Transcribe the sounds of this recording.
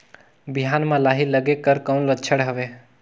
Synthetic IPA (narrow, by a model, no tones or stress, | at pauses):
biɦanmãlaɦiləɡekəɾkəwnlətːt͡ʃʰəɽɦəʋe